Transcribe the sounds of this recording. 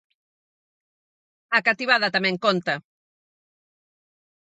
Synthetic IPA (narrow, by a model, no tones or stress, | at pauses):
akat̪iβaðɐt̪amɛ̃ŋkont̪ɐ